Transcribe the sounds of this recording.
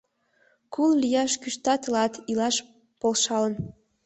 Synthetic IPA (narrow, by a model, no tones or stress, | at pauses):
kʰullijɑʃkyʃt̪ɑt̪ɤlɑt̪ʰilɑʃ | polʃɑlə̆n